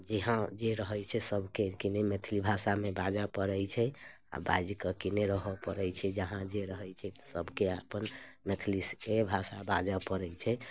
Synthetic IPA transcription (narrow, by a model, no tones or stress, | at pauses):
d͡ʒeɦãd͡ʒeɾəɦəjt͡ʃʰɛsəbʱkekenɛmet̪ʰlibʱasamebad͡ʒapəɾɛjt͡ʃʰɛ | a̰ba̰d͡ʒkəkeneɾəɦɔpəɾɛt͡ʃʰɛd͡ʒəɦãd͡ʒeɾəɦəjt͡ʃʰɛt̪ɔ̥səbʱkeapənmet̪ʰliskebʱasabad͡ʒapəɾɛjt͡ʃʰɛ